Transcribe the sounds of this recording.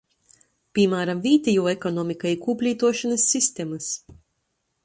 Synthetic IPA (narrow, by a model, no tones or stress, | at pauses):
pʲimaːɾamvʲiːt̪ɛjuːekɔnɔːmikajikuːpʲlʲiːt̪uɔʃanɐsːist̪ʲemɐs